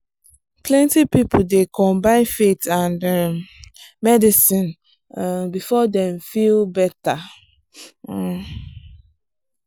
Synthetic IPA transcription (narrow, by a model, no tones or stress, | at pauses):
plɛ̃ntipipol̩dekɔ̃mbãɪ̃nfetãndɛ | mɛdisĩn | bifɔdɛ̃mfilbɛta